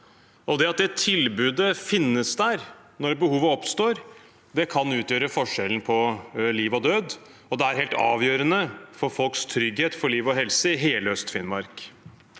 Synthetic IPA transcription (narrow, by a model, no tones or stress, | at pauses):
ʔɔd̪ɛɑt̪̚d̪ɛt̪ʰɪlbʉːd̪əfɪnːəsd̪æɾ | nɔɾbəhuːʋəɔpst̪oːɾ | d̪ɛkʰɑnʉːt̪jøːɾəfɔʂɛln̩pʰɔliːʋɔd̪øːd̪ | ɔd̪ɛæɾheːlt̪ɑ̰ːʋjøːɾənəfɔɾfɔlkst̪ʰɾʏɡheːt̪fɔɭiːʋɔɦɛlsəɪɦeːləœst̪fɪnmɑɾk